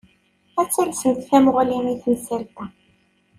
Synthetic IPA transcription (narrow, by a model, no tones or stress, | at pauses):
æt͡sːælsənd̪θæmʊʁlimiθənsælt̪æ